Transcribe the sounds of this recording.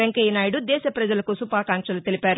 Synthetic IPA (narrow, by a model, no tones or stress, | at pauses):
eŋkɐjinaːjiɽud̪ɛːʃɐpɾɐd͡ʒɐlɐkusupaːkaːŋkʂɐlut̪elipaːɾu